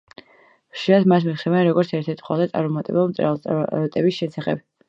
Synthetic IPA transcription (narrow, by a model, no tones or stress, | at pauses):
χʃiɾad̪mat̪ʰmit̪χɛvɛnɾɔɡɔɾt̪sʰɛɾt̪ʰɛɾt̪ʰχwa̰lˠd̪at̪ʼa̰ɾmɔmat̪ʼɛbɛlˠmt̪sʼɾɛ̰lˠt̪t̪ʼɛbisʃɛsaχɛ̰b̥